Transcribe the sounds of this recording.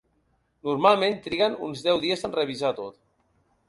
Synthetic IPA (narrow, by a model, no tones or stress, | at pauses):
nuɾmalˠment̪ɾiɣənṵnzðɛwðiəzənrəβ̞izat̪ot̪